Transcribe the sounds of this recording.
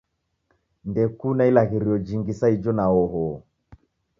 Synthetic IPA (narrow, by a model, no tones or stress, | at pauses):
ndɛkunailaɣiɾiɔd͡ʒiŋɡisaid͡ʒɔnaɔɦɔ